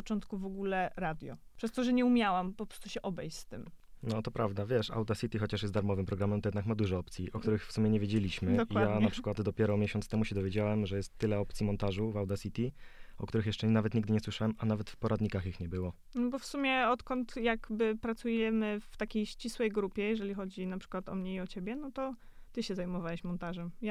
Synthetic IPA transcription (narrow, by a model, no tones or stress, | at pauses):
t͡ʂɔnt̪kuvɔɡulɛɾad̪ʲjɔ̰pʂɛst̪ɔʐɛɲɛumʲjawampɔpɾɔst̪u̥ɕɛʔɔbɛjɕʲst̪ɘmnɔt̪ɔpɾavd̪avʲjɛʂa̰wd̪asʲit̪ʲixɔt͡ɕaʂjɛst̪d̪aɾmɔvɘmpɾɔɡɾamɛmt̪ɔjɛd̪nakmad̪uʐɔɔpt̪sʲiʔɔkt̪uɾɘxfsumjɛɲɛvjed͡ʑelʲiɕmɘd̪ɔkiwajadnapʂɘ̥kwad̪d̪ɔpʲjɛɾɔmʲjeɕɔnt̪st̪ɛmuɕɛd̪ɔvʲjed͡ʑawɛmʐɛjɛst̪ːɘlɛɔp̚t̪sʲimɔnt̪aʐuvawd̪asʲit̪ʲiɔ̰kt̪uɾɘxjɛʂt͡ʂɛnavɛt̪ɲiɡd̪ɘɲɛswɘʂawɛmanavɛt̪fpɔɾʔad̪ɲikaxixɲɛbɘwɔ | nɔbɔfsumʲjɛɔt̪kɔnt̪jaɡbɘpɾat̪sujɛmɘft̪akʲejɕt͡ɕiswɛjɡɾupʲjɛjɛʐɛlʲixɔd͡ʑinapʂɘ̥kwat̪ɔ̰mɲɛiɔt͡ɕebʲjɛnɔt̪ɔ | t̪ɘɕɛzajmɔvawɛɕmɔnt̪aʐɛmja